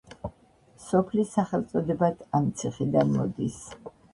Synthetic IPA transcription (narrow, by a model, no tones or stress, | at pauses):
sɔpʰlisːaχɛlˠt̪sʼɔd̪ɛbat̪ʰamt̪sʰiχid̪anmɔ̰d̪is